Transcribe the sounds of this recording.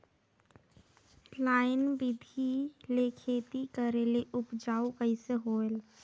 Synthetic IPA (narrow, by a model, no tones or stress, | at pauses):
laːɪnbɪd̪ʱilekʰeːt̪ikəɾeleʔʊpd͡ʒaːukəɪseɦoːel